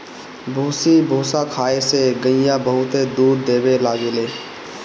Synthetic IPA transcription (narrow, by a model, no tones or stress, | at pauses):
bʱuːsibʱoːsakʰaːeseɡəɪjãbəɦʊt̪ed̪uːɾd̪eːbelaːɡeleː